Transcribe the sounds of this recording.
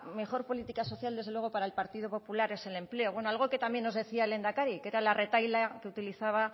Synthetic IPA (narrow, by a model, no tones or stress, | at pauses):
me̞xo̞ɾpo̞lit̪ikaso̞θjald̪e̞zðlweopaɾaelpaɾt̪ið̞o̞po̞pulaɾe̞se̞le̞mple̞o̞βwe̞no̞alɣ̞o̞ke̞t̪amje̞nːoðe̞θiaele̞nd̪akaɾike̞ɾalare̞t̪ajlake̞ut̪iliθaβ̞a